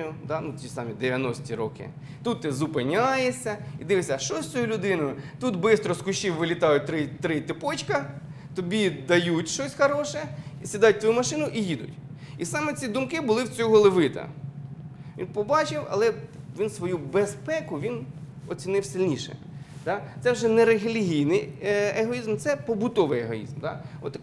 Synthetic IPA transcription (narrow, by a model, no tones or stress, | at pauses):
jʊd̪ɑnut͡sʲisɑmʲid̪eʋʲjɐnɔsʲtʲiɾɔkɪ̰ | t̪ut̪ːɪzʊpɪnʲajesʲɐid̪ɪʋɪsʲɐʃt͡ʃɔsʲt͡sʲɔjulʲʊd̪ɪnɔjʊt̪ut̪bɪst̪ɾɔskʊʃiwʋɪlʲit̪ɑjʊt̪ɾɪt̪ɾɪt̪ɪpɔt͡ʃkɐ | t̪ɔbʲid̪ɐjutʲʃt͡ʃɔsʲxɐɾɔʃɛisʲid̪ɑt̚ʲt̪ʋɔjumɐʃɪnʊʔijid̪ʊ̰tʲisɑmɛt͡sʲid̪ʊmkɪbʊlˠɪwt͡sʲɔɦɔlˠeʋɪt̪ɐ̰ | ʋʲḭnpɔbɑt͡ʃɪwɐ̰lˠɛʋʲinsʋɔjubespɛkʊʋʲinɔt͡sʲinɪwsɪlʲnʲiʃɛ̰ | d̪̥ɑt̪sɛwʒɛnɛɾeɦelʲiɦʲijnɪjeɦɔizmt̪sɛpɔbʊt̪ɔʋɪjeɦɔ̰ḭzmd̪ɑ̰ɔ̰t̪